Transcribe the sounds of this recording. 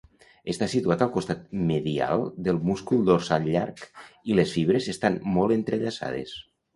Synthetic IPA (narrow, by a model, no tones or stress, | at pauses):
est̪asit̪uat̪alˠkost̪at̪̚meðia̰lˠd̪elˠmuskulˠd̪oɾsaʎa̰ɾkilesfiβ̞ɾezest̪anmɔlˠent̪ɾeʎasa̰ð̞ḛs